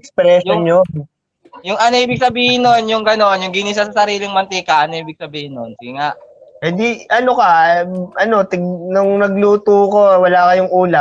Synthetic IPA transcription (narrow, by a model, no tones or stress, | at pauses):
kspɾɛːʃoɲo | jʊŋʔɐnoʔiːbɪɡ̚sɐbiːhɪnːonjʊŋɡɐno̞njʊŋɡɪnis̬ɐsɐsɐɾiːlɪŋmɐnt̪ikɐʔɐnoʔiːbɪɡ̚sɐbiːhɪnːonsiɡŋaʔhɪnd̪iɐnokɐʔɐno̞t̪ɪɡ̚nʊŋnɐɡluːt̪uːko̞wɐlaːkɐjʊŋʔuːla